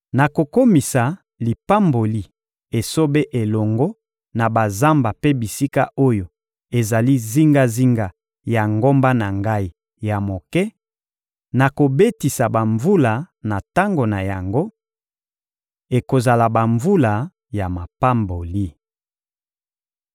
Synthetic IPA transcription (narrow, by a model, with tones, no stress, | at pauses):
na˨ko˨ko˦mi˨sa˨ | li˨pa˦mbo˨li˦ | e˨so˦be˦ʔe˨lɔ˨ŋɡɔ˦ | na˨ba˨za˦mba˨pe˦bi˨si˦ka˦o˦jo˨ | e˨za˨li˦zi˦ŋɡa˦zi˦ŋɡa˨ | ja˨ŋɡo˦mba˦na˨ŋɡa˦i˦ | ja˨mo˨kɛ˦ | na˨ko˨be˦ti˨sa˨ba˨ɱvu˦la˨na˨ta˦ŋɡo˨na˨ja˨ŋɡo˦ | e˨ko˨za˨la˨ba˨ɱvu˦la˨ | ja˨ma˨pa˦mbo˨li˦